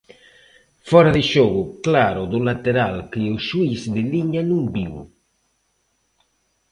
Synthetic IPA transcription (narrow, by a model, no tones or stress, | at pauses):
fɔɾaðɪʃɔɣuklaːɾod̪ulat̪eɾalkiusːuisd̪ɪliɲanumbiw